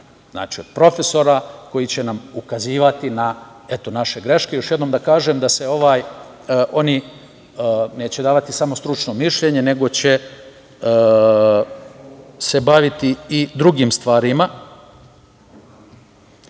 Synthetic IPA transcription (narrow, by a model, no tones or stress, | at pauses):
zna̰ːt͡ʃio̰d̪̚pɾo̞fe̞so̞ɾako̞jit͡ɕe̞namukaziːʋat̪ina | et̪o̞naʃe̞ɡɾe̞ʃke̞jo̞ʃjed̪nomd̪akaːʒemd̪ase̞o̞ʋaːj | ʔo̞ni | ne̞ːt͡ɕed̪aːʋat̪isamo̞st̪ɾut͡ʃno̞miʃʎeɲe̞ne̞ɡo̞t͡ɕe̞ | se̞baʋit̪iːd̪ɾuɡiːmst̪ʋaːɾima